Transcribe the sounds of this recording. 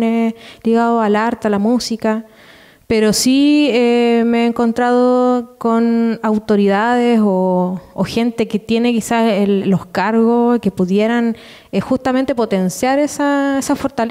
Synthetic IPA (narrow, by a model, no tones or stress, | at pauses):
neliɣaðoalaɾt̪ealamusika | peɾo̞siemeeːŋko̞nt̪ɾaðoko̞nawt̪o̞ɾiðaðesoːxe̞nt̪eket̪je̞ne̞kisasellːohskaɾɣoke̞puðje̞ɾan | exust̪ame̞nt̪e̞po̞t̪e̞nsjaɾesaesafo̞ɾt̪al